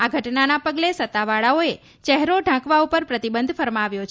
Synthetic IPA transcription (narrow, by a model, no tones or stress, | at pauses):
aɡʱəʈnanapəɡlesət̪ːaʋaɭaoe | t͡ʃɛɦɾoɖʱãkʋaupəɾpɾət̪ibənd̪ʱfəɾmaʋjot͡ʃʰ